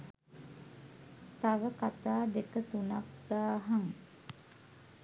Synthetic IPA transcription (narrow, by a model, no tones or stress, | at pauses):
t̪aʋəkat̪aːd̪ekət̪unak̚d̪̥aːɦaŋ